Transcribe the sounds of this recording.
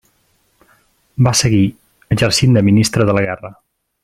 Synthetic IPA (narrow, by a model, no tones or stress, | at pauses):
basəɣi | əʒəɾsind̪əminist̪ɾəðələɣɛrə